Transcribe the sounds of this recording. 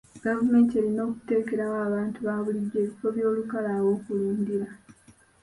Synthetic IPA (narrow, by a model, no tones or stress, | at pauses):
ɡ̥avume̞ːntielino̞ːku̥te̞ːke̞ɾawaːβaːntuβaβuliɟːe̞ːβifo̞βjo̞ːlukalawo̞ːkuluːndiɾa